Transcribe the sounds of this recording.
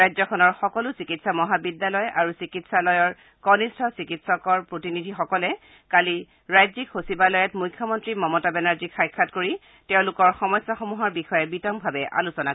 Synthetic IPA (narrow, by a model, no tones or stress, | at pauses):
ajzɔkʰɔnɔɹxɔkɔlʊsikitsamɔɦabidːalɔjaɹusikitsalɔjɔɹ | kɔnistʰɔsikitsɔkɔɹpɹotinidʱixɔkɔlɛ | kali | ɹajzikxosibalɔjɛtmujkʰːjɔmɔntɹimɔmɔtabɛnaɹzikʰxajkʰːatkoɹi | tɛʊ̃lʊkɔɹxɔmɔjsːaxɔmuɦɔɹbixɔjɛbitɔmbʱabɛʔa̰lusɔna